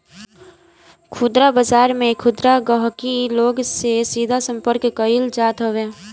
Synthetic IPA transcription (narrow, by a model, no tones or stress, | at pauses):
kʰʊd̪ɾabəd͡ʒaːɾmẽkʰʊd̪ɾaɡəɦkiloːɡsesiːd̪ʱasə̃mpəɾkkəild͡ʒaːt̪ɦoweː